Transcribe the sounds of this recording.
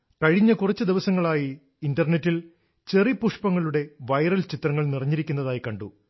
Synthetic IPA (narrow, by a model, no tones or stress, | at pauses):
kɐɻiɲːɐkurɐt͡ɕːɨd̪iʋɐsɐŋːɐɭaːjiː | ndɐrnetːil | t͡ɕe̞ripuʂpɐŋːɐɭuɽe̞ʋɐjɾɐlt͡ɕit̪rɐŋːɐɭnirɐɲːiɾikʲːunːɐðaːjikɐɳɖṵ